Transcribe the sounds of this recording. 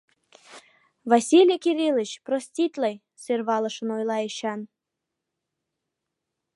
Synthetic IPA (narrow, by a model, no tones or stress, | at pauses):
vɑsʲilʲekiɾʲilət͡ɕprosʲtʲit̪ʲlej | sørβɑləʃənojlˠɑeɕɑn